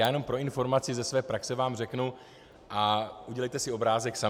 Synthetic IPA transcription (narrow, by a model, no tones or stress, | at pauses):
jaːjɛno̞mpɾo̞ɪnfo̞ɾmat͡sɪzɛsvɛːpɾaksɛvaːmrɛknu | ʔaʔuɟɛlɛjt̪ɛsɪo̞bɾaːzɛksa